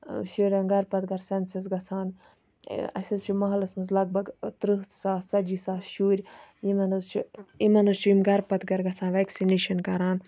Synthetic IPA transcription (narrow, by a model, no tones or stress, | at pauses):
ʃuːɾʲɐnɡɐɾpɐt̪ɡɐɾsensɐsɡɐt͡sʰaːn | ɐ̰sʲɐzt͡ʃʰumɐɦɐlɐsmɐzlɐɡ̚bɐɡt̪ɾɨɦt̪saːsɐd͡ʒisaːʃuːɾʲjimɐnɐzt͡ʃʰuimɐnɐzt͡ʃʰimɡɐɾpɐt̪ɡɐɾɡɐt͡sʰaːnʋeksineːʃɐnkɐɾaːn